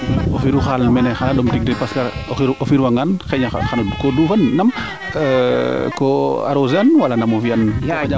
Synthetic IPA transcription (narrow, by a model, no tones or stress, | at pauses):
ofiɾuxalmɛnɛxanadɔmtiɡ̚dɛpaskaɾɾɔfiɾwaŋanxɛɲa̰xankɔdufanːam | kɔa̰ɾozanwalanamɔfianɲa